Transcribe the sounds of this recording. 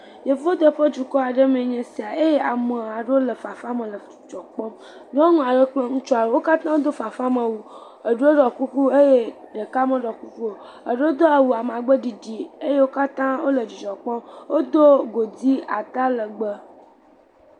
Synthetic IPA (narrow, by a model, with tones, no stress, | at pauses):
je˨vo˦d̪ə˦ɸə˦d͡ʒu˨kɔ˦a˨ɖə˦m˨ẽ˨ɲɛ̃˨si˨a˨e˦je˦ʔa˨mə˨a˨ɖe˦wo˦lə˨fa˨fa˦mə̃˨lə˨d͡ʒɔ˨k͡pɔ̃˦m | nɔ̃˦ŋɔ̃˨a˨ɖə˦k͡plə˦ŋũ˦t͡ʃɔ˦a˨ɖə˦wo˦ka˦t̪ã˦wo˦d̪o˦fa˨fa˦mə̃˨wu˦ | ə˨ɖe˦wo˦ɖɔ˨ku˦ku˦e˦je˦ɖə˨ka˦mə̃˦ɖɔ˨ku˦ku˦o˨ | ə˨ɖe˦wo˦d̪o˦a˨wu˨a˨m˨a˨ɡ͡bə˦ɖi˨ɖi˨e˦je˦wo˦ka˦t̪ã˦wo˦lə˨d͡ʒu˨d͡ʒɔ˨k͡pɔ˦mwo˦d̪o˦ɡo˨di˦a˨t̪a˦lə˨ɡ͡bə˦